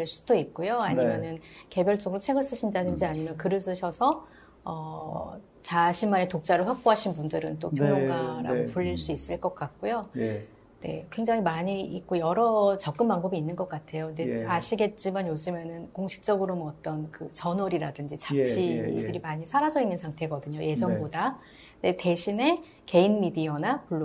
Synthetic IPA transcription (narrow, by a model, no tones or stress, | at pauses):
ɭs͈u̥d̥oit̚k͈ojoaɲimjʌnɯnke̞bjʌɭt͡ɕ͈ʌɡɯɾot͡ɕʰe̞ɡɯɭs͈ɯɕʰindadɯnd͡ʑiaɲimjʌnkɯɾɯɭs̬͈ɯɕʰʌsʰʌ | ʌ | t͡ɕaɕʰinmane̞tok̚t͡ɕ͈aɾɯɭɸwak̚p͈oɦaɕʰinpundɯɾɯnt͈opjojoɡaɾa̰ɡopuʎːiɭs͈uis͈ɯɭk͈ʌk͈̚ak̚k͈ojo | ne̞̰kwe̞ŋd͡ʑaŋimaɲiik̚k͈ojʌɾʌt͡ɕʌk̚k͈ɯmpaŋbʌbiːnːɯnɡʌk͈atʰe̞joɯnde̞aɕʰiɡe̞t̚t͡ɕ͈imanjod͡ʑɯmenɯnkoŋɕʰi̥k̚t͡ɕ͈ʌɡɯɾomʌt͈ʌnkɯt͡ɕʌnwʌɾiɾadɯnd͡ʑit͡ɕat͡ɕʰidɯɾimaɲisʰaɾad͡ʑʌinːɯnsʰaŋtʰe̞ɡʌdɯɲoje̞d͡ʑʌŋboda | nde̞te̞ɕʰine̞ | ke̞inmidiʌnapuɭːo